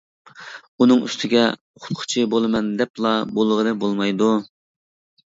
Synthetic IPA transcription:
unɨŋy̰st̪ʰɪɡʲɛ̰ | χʰʊ̥t̪̚qʰʊ̥t͡ʃʰibolˠɨmɛnd̪ɛplˠɑbolˠʁənɨbolˠmɑjd̪u

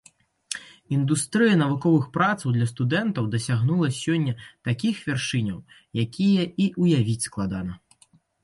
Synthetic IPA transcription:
ind̪ust̪ɾɨjɐnɐvukɔvɨxpɾat̪sɐwd̪lʲɐst̪ud̪ɛnt̪ɐwd̪ɐsʲaɣnulˠɐsʲɔnʲːɐt̪akʲixvʲarʂɨnʲɐw | jakʲijɐiʔujavʲit͡sʲsklˠad̪anɐ

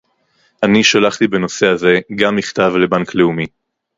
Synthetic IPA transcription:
ʔaniʃalaχt̪ibe̞no̞se̞aze̞ɡamːiχt̪avle̞baŋkle̞umi

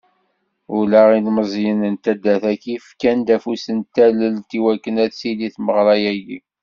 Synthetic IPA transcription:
ʊlæʁinməzˤjənənt̪æd̪ːæθækifkænd̪æfusənt̪æləlt̪iwækːənæθsiliθməʁɾˤɑjæjḭ

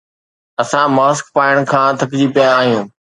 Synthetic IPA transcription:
ɐsãmaːskpaːɪəɽ̃kʰãːt̪ʰɐkd͡ʑiːpijaːɦijũː

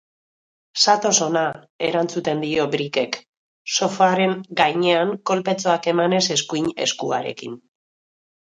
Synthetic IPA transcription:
sat̪o̞so̞na | e̞ɾant͡sut̪e̞nd̪io̞bɾike̞k | so̞faɾe̞ŋɡajɲe̞aŋko̞lpe̞t͡so̞ake̞mane̞se̞skujɲe̞̰skuaɾe̞̰kḭn

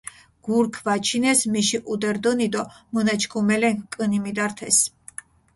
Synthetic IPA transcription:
ɡ̥uɾkʰvat͡ʃʰinɛsmiʃiʔud̪ɛɾd̪ɔnid̪ɔmɔnat͡ʃʰkʰumɛlɛŋkʼɨnimid̪aɾt̪ʰɛs

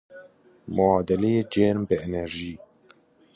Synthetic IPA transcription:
moɑːd̪ɛlejeːd͡ʒeɾmbɨenɛɾʒiː

